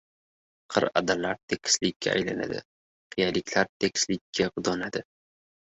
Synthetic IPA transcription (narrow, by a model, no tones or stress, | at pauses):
qʰɨ̰ɾa̰d̪alaɾt̪ʰekʲʰɪ̥slɪkʲʰːa̰a̰jlana̰d̪ɪ̰ | qʰijalɪkʲʰlaɾt̪ʰekʲɪ̥slɪkʲʰːaqʊd̪ɒnad̪ɪ